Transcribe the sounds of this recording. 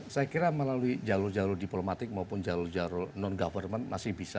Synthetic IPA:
sajakiɾaməlaluid͡ʒalʊrd͡ʒaɾʊrdiplomat̪ɪk̚maupʊnd͡ʒalʊrd͡ʒalʊrnɔnɡafərmənmasɪhbisa

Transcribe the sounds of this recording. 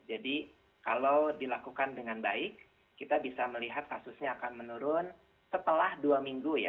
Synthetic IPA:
d͡ʒadi | kalawdilakukandəŋanbaɪkː | it̪abisaməliɦat̪̚kasusɲaːkanmənuɾʊn | sət̪əlahduamiŋɡuja̰

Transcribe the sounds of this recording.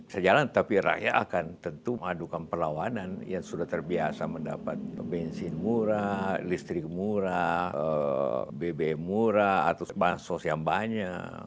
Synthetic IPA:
səd͡ʒalant̪apiɾa̰ja̰akant̪ənt̪uəŋadukanpəlawananjaŋsudaht̪ərbiasamənda̰pat̪̚bɛnsinmuɾalist̪ɾɪk̚muɾaəbebeɛmuɾaa̰t̪awbaŋsɔsjaŋbaɲak

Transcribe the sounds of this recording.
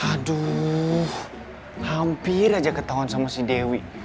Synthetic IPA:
hadu | hampiɾad͡ʒakət̪aɦɔnsamasidewi

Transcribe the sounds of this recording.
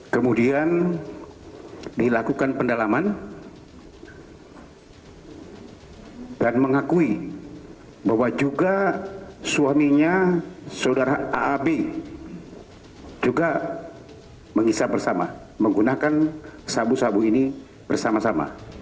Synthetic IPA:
kəmudian | dilakukanpəndalaman | danməŋakui | bahwad͡ʒuɡa | suamiɲasaudaɾaaːbe | d͡ʒuɡa | məŋisabərsama̰ | məŋɡunakansabusabuini | b̥ərsamasama̰

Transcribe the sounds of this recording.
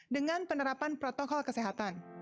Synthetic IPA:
dəŋanpənəɾapanpɾɔt̪ɔkɔlkəseɦat̪an

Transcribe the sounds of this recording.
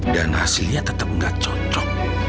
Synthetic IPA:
danhasiliat̪ət̪əp̚ŋɡat͡ʃɔt͡ʃɔk̚

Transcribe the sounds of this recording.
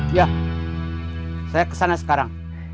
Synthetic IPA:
ja | sajakə̥sanasə̥kaɾaŋ

